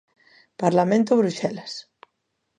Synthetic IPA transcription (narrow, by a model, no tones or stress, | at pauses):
paɾlamẽnt̪uβɾuʃɛlas